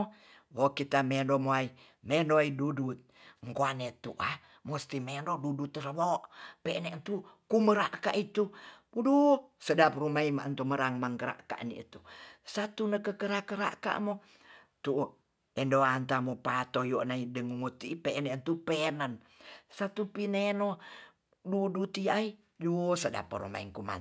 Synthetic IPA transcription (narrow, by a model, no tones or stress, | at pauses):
wokit̪amendomoai | menoaidudut̪̚ | ŋkoanet̪uʔa | must̪imendodudut̪rəβoʔpenent̪ukuməɾaʔkaʔit̪ubudusədaprumaima̰ʔnt̪uməɾaŋmaŋkəɾa̰ʔka̰ʔnḭt̪usat̪unəkəkəɾakəɾa̰ʔka̰ʔmo | t̪uʔ | ɛndoant̪amopat̪ojoʔnaidəŋuŋut̪iipeneənt̪upenən | sat̪upineno | dudut̪iai | dusəda̰pə̰ɾo̰ma̰ḭŋkuma̰